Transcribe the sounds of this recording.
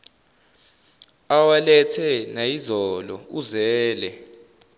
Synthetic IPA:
awalɛtʰɛnajizɔlɔ̰uzɛːlɛ

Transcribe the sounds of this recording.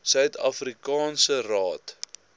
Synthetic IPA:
sœɥtɐfrikɑːnsərɑːt

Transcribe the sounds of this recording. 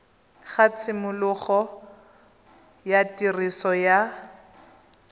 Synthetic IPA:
χat͡sʰɪmʊlʊχɔ | jatʼirisɔja

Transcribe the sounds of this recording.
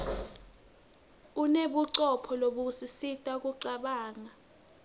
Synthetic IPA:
uneɓuǀɔpʰɔloɓusisitʼak̬ʼuǀaɓaːŋa

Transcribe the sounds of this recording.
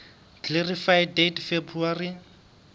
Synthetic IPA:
klerifajdetfebuari

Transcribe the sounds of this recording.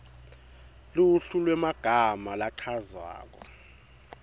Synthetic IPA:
luɬulwɛmaɡ̥ʱamalaǃʰaza̰ːk̬ɔ

